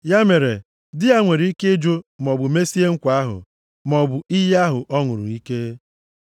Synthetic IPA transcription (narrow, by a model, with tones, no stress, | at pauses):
ja˦me˨ɾe˨ | dɪ˦a˦ŋʷe˨ɾi˨˦i˦ke˦d͡ʒo˦mɔ˨bʊ˨me˦si˦e˦ŋ̩˦kʷa˦ɦʊ̰˨ | mɔ˨bʊ˨i˦ja˦ɦʊ˨ʔɔ˦ŋʊ˨ɾʊ̰˨i˦ke˦